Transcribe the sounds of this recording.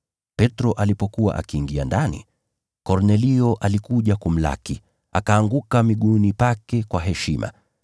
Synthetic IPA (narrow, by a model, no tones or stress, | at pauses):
pɛtɾɔʔalipɔkuwa̰ʔa̰kiːŋɡia̰ndanḭ | kɔɾnɛliɔʔalikuʄakum̩la̰ki | a̰kaːŋɡukamiɠunipakɛkwaɦɛʃimʔa̰